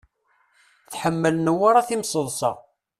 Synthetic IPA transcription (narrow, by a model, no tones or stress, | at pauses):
θħəmːəlnəwaɾˤaθimsˤəðˤsɑ̰